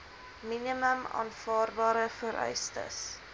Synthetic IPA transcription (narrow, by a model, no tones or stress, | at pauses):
miniməmɑ̰ːnfɑːrbɑːɾəfəɾʔœ̰ɥstə̰s